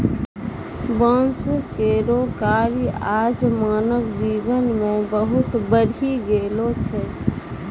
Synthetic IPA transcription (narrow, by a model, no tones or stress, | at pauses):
bənskeɾokaɾiad͡ʒmanəbd͡ʒibənmebəɦut̪bəɾʱiɡelot͡ʃʰɛ